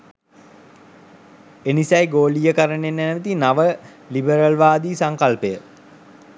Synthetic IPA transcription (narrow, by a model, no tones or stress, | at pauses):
enisɛjɡoːlijəkəɾəɳenːænəʋit̪inaʋə | libəɾəlʋaːd̪iːsaŋkalpəjə